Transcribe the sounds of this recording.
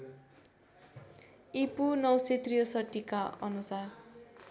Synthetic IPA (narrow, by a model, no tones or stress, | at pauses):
ipunʌwset̪rijʌsʌʈːikaʌnusar